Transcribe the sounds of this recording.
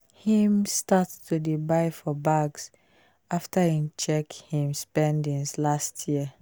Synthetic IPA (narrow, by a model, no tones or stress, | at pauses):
hĩmstattʰudibaɪfɔbaɡs | ʔaftəĩmt͡ʃɛkhĩmspɛ̃ndĩŋslastʰjiə